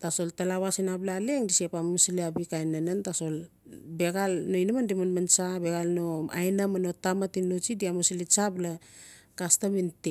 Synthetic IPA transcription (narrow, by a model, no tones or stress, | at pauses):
taso̞ltalawasinablaleŋdisepamusiliabikajnanantaso̞l | be̞ɡalnoinamandimanmant͡ʃabe̞ɡalnoa̰jnamanotamatinːot͡ʃidiamusilit͡ʃabla | kastaminte